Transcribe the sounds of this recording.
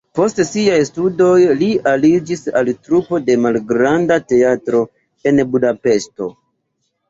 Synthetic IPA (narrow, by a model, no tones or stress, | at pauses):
po̞stsiajstudo̞jlialid͡ʒisa̰ltɾupo̞de̞malɡɾandate̞atɾo̞ | e̞nbudape̞ʃto̞